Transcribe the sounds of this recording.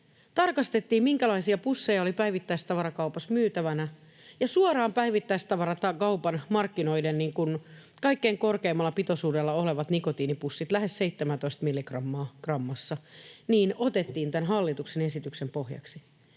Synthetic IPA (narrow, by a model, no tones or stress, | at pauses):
t̪ɑrkɑst̪e̞t̪ːiːmmiŋkælɑisiɑpusːe̞jɑolipæjʋit̪ːæist̪ɑʋɑɾɑkɑupɑsmyːt̪æʋænæ | jɑsuɑrɑːmpæiʋit̪ːæist̪ɑʋɑɾɑt̪ɑkɑupɑnmɑrkːino̞idenniːŋkun | kɑikːeːŋko̞rkeːmːɑlːɑpit̪osuːdelːɑoleʋɑt̪nikot̪iːnipusːit̪læɦe̞sse̞it̪ːemænt̪o̞ist̪milːikrɑmːɑːkrɑmːɑsːɑniːnot̪e̞t̪ːiːnt̪ænɦɑlːit̪uksene̞sit̪yksempohjɑ̰ksi